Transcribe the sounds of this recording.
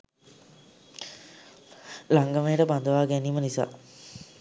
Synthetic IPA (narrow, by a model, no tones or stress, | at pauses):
laŋɡəmejəʈəpand̪əʋaːɡɛniːmənisa̰ː